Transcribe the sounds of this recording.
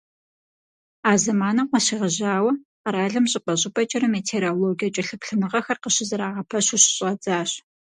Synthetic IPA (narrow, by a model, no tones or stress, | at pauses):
aːzɐmaːnɐqʷɔɕiːʁɐʑaːwɐqɐɾaːɮɐmɕʼɪpʷʼɐɕʼɪpʼɐt͡ʃʼɐɾɐmeːtʰeːɾoloːɡijɐt͡ʃʼɐɬɨpɬɨmɨʁɐxɐrqəɕɪzɐɾaːʁɐpʰɐɕuːɕɪɕʼɐd͡zaːɕ